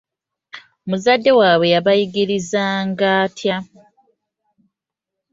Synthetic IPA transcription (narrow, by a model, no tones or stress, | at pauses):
omuzadːe̞waːβwe̞jaβajiɡiɾizaːŋɡaːtʰja